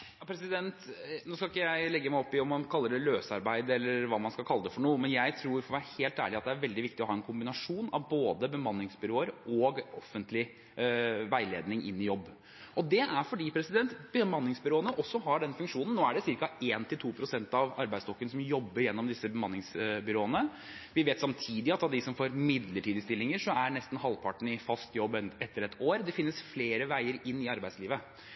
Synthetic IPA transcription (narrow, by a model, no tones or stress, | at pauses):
jɑpʰɾɛsɪd̪ɛnt̪noːskɑɪkːəjæɪlɛɡːəmæɪɔpːɪɔmːɑnkʰɑlːəɖɛløːsɑɾbæɪd̪əɛlːəɾʋɑːmɑnskɑlkʰɑlːəd̪əfɔɳuːəmɛnjæɪt̪ʰɾuːɾfɔʋæːɾəheːlt̪æ̰ːɭɪɑt̪̚d̪ɛæɾʋɛld̪ɪʋɪkt̪ɪɔhɑːɛnkʰʊmbɪnɑʂuːnɑ̰ʋboːd̪əbəmɑnːɪŋsbʏɾoːəɾɔːɡɔfːənt̪lɪ | ʋæɪleːd̪nɪŋʔɪ̰nːɪjɔbː | ʔɔd̪ɛʔæɾfɔɖiːpʰɾɛsɪd̪ɛnt̪b̥əmɑnːɪŋsbʏɾoːənəʔɔsːɔɦɑɖɛnfʉŋkʂuːnn̩nːoːæɖɛsɪɾkɑeːnt̪ʰɪlt̪ʰuːpʰɾʊsɛnt̪ɑʋɑɾbæɪtsd̪ɔkːənsɔmjɔbːəɾjɛnːɔmd̪ɪsːəbəmɑnːɪŋsbʏɾoːənə | ʋɪʋeːt̪sɑmt̪ʰiːd̪ɪɑt̪ɑd̪ɪsɔmfoːɾmɪd̪ləʈʰiːd̪əst̪ɪlːɪŋəʂɔæɳɛst̪n̩hɑlpʰɑʈɳ̩ɪfɑst̪jɔbːɛt̪ʰːəɾɛt̪ʰoːɾd̪ɛfɪnːəsfleːɾəʋæɪəɾɪnːɪɑɾbæɪd̪sliːʋə